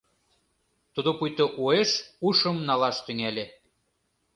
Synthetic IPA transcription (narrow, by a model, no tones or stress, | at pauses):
t̪ud̪opujt̪oʔueʃuʃɤ̆mnɑlɑʃt̪yŋælʲe